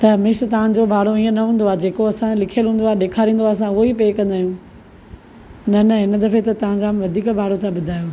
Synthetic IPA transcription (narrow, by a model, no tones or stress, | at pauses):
t̪ɐmɪʃt̪ɐʋ̤ãd͡ʑobʱaːɽ̤oiːə̃nɐɦũːn̆d̪oaːd͡ʑeːkoɐsãlɪkʰijəlɦũːnd̪oaːɗeːkʰaːɾĩːn̆d̪oaːs̬ãʊɦoipeːkɐ̃nd̪aːijũː | nɐnɐɦɪnəd̪ɐfet̪ɐt̪ɐʋ̤ãɲd͡ʑaːmʋɐd̪ʱiːkbʱaːɽ̤ot̪ʰaɓʊd̪ʱaːjoː